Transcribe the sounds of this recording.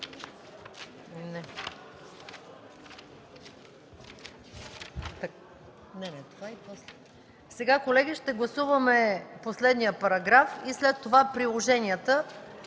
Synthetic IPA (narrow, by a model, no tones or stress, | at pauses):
nɛ | t̪ | nɛnɛt̪ovaipɔslɛ | sɛɡakolɛɡʲiʃt̪ɛɡlˠɐsuvɐmɛposlɛd̪nijəpɐɾɐɡɾafislɛt̪ːovapɾilˠoʒɛniət̪ə